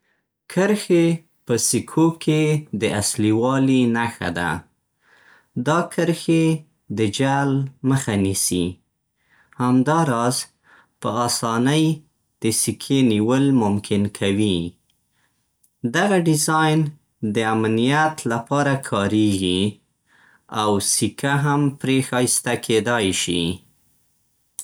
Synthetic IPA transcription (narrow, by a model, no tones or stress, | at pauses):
kʰəɾxe | pəsikʰokʰed̪əasliwɑlinaxa̰d̪a̰ | d̪ɑkʰəɾxe | d̪əd͡ʒalməxanisḭ | hamd̪ɑɾɑz | pəɑsɑnəj | d̪̥əsikʰeniwəlmʊmkʰɪnkʰawi | d̪aɣaɖɪzɑjn | d̪əamnijat̪lapɑɾakʰɑɾeɡi | awsikʰaɦampɾexast̪akʰed̪ɑjʃḭ